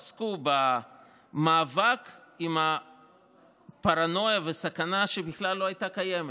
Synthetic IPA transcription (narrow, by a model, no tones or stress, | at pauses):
skuba | maːvakimha | paʁano̞javesakanaʃe̞biχlalːo̞ajtakajeme